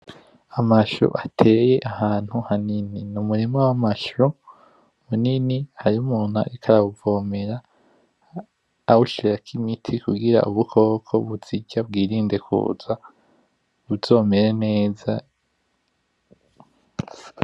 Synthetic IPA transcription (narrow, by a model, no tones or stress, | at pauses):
amaʃṵʔatʰe̞ːje̞ʔahaːn̥huhanininumuɾimawamaʃu | muninihaɾiumuːn̥ha̰ʔikʰaɾauvoːmeɾa | wuʃiɾakʰimitʰikuɡiɾa̰ʔuβukʰo̞ːkʰo̞βuziɟab̚ɡiːɾiːnde̞kʰṵːza | βuz̥o̞ːme̞ɾene̞ːza